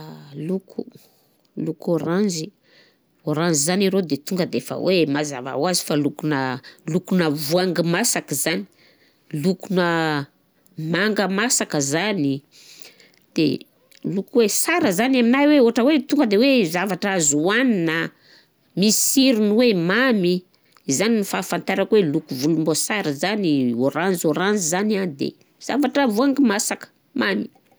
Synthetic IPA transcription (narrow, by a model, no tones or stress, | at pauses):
lukʰṵ | lukoɾanzi | oɾanzizaniɾod̪et̪uŋɡəd̪eefə̰wʔemaza̰va̰wazi̥falukunəlukunəvuaŋɡimasakz̥ani̥ | lukunə | maŋɡəmasakəzani | d̪̥ḛ | lukwesaɾəzanaminajweoɦaʈ͡ʂəwet̪uŋɡəd̪ewezavaʈ͡ʂazuannə | misiɾunwemami | zaninifafant̪aɾakwelukuvulumbosaɾəzanioɾand͡zoɾand͡zizananid̪ḛ | z̥a̰vaʈ͡ʂəvuaŋɡimasakə̥ | mami̥